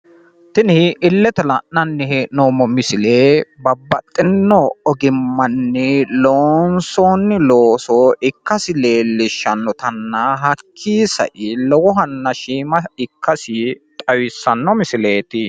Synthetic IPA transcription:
t̪ɪnɪɪlːɛt̪ɛlɐʔnɐnːɪheːʔnoːmɔmɪsɪleːbɐbːɐt̪ʼːɪnːɔɔɡɪmːɐnːɛloːnsoːnːɪloːsɔɪkːɐsɪleːlːɪʃːɐnːɔt̪ɐnːɐɦɐkʰːiːsɐ̰ʔɪlɔwɔɦɐnːɐʃiːmɐɪkʰːɐsɪt̪ʼɐwɪsːɐnːɔmɪsɪle̞ːt̪ɪ

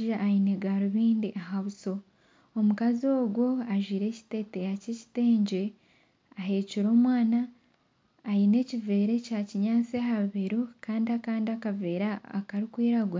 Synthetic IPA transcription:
ʒaʔːineɡaɾuβiːndiʔaɦaβuso̞ | omukazio̞ːɡwo̞aʒiːɾe̞ːci̥te̞tejaceci̥te̞ːɲɟe̞ | aɦe̞ːciɾo̞ːmwaːnaː | jine̞cive̞ːɾe̞caciɲaːt͡seɦaβeɾokaːndiakaːndiakave̞ɾaːkaɾikwiːɾaɡwa

